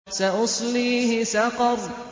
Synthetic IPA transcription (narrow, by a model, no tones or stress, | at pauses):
saʔʊsˤliːhɪsɑqɑɾˤ